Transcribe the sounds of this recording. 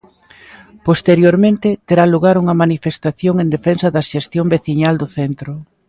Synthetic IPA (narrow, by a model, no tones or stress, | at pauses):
post̪eɾjoɾmẽnt̪ɪt̪eɾaluɣaɾuŋɐmanifest̪aθjoŋend̪efensɐðɐʃest̪jombeθiɲald̪ʊθent̪ɾʊ